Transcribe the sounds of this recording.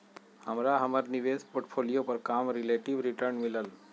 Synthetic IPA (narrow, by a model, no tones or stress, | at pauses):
həmɾaɦəməɾniʋeːspoːɾʈpʰoːlijopəɾkaːmɾɪleːʈiʋɾiʈəɾnmɪləl